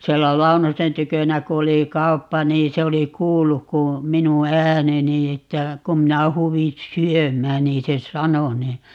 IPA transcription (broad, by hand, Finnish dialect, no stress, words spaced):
sielːæ lɑunosen tykønæ ku oli kɑupːɑ niː se oli kuːlːuk ku minu æːneni etːæ kum minæ huːʋin̞ syømˑæːn niː se sɑno ni